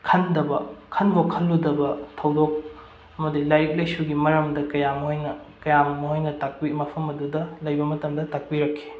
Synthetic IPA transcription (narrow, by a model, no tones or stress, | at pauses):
kʰɐndɐbɐkʰɐnbokʰɐlːudɐbɐtʰɐwdok̚ | ɐmɐdilajɾik̚lɐjsuɡimɐɾɐmdɐkɐjamɐɦojnɐkɐjamɐmɐɦojnɐtak̚pimɐpʰɐmɐdudɐlɐjbɐmɐtɐmdɐtak̚piɾɐkʰːi̥